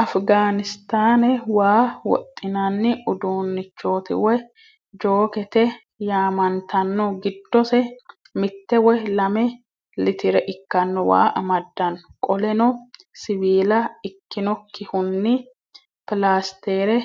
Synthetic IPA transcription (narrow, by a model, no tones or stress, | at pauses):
ʔɐfɡaːnɪst̪aːnɛwaːwɔ̰t̪ʼːɪnanːɪʊd̪uːnːɪt͡ʃːo̞ːt̪ɪ̰wɛ | d͡ʒoːkɛt̪ɛ | jaːmɐnt̪ʰɐnːɔɡɪd̪ːɔsɛ | mɪt̪ːɛwɛlɐmɛ | lɪt̪ɪɾɛʔɪkːɐnːɔwa̰ːʔɐmɐd̪ːɐnːɔkʼɔlɛnɔ | sɪβiːlɐɪkːɪnɔkʰːɪhʊnːɪ | pɪlaːst̪eːɾɛ